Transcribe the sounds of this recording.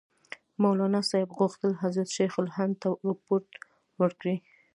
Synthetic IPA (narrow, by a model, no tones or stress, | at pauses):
mawlɑnɑsɑjɪbɣuxt̪əlɦazɾat̪ʃexʊlhant̪aɾɑpoɾt̪ | wəɽkɽi